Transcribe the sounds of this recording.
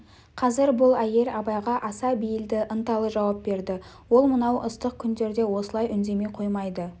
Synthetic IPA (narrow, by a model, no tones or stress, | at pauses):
qʰɑzɪɾbʊlˠæje̞ɾɑbɑjʁɑʔɑsɑbijɪld̪ɪʔənt̪ɑlˠəʒɑwɑp̚be̞ɾd̪ɪ | wo̞lˠmənɑwʔəst̪əq̚kʲʰʏnd̪e̞ɾd̪e̞wo̞səlˠɑjʔʏnd̪e̞me̞qʰo̞jmɑjd̪ə